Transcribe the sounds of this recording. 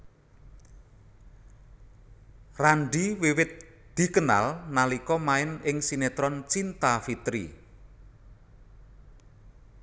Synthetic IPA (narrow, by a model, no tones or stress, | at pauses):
raɳɖiwiwɪt̪̚ | d̪̥i̤kəna̰lnalikɔmaɪnɪŋsinet̪ɾɔnt͡ʃint̪afit̪ɾḭ